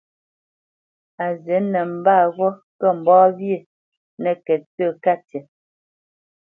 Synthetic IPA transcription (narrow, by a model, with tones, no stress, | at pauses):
a˨zɛ˨˦nɛ˨m̩˨baː˦˨ɣɔ˦ | kɛ˦˨m̩˨bɔː˦βje˦˨ | nɛ˨kɛ˨t͡sə˦˨ka˦tɛ˨